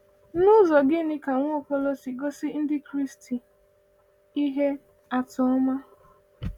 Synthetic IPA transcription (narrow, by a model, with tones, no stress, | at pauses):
nʊ˦zɔ˨ɡɪ˦nɪ˦ka˨ŋʷ˦kɔ˦lɔ˦si˨ɡo˦sɪ˦n̩˦dɪ˦kɾi˦sti˨ | i˦ɦe˦ | a˨tʊ˨˦ma˦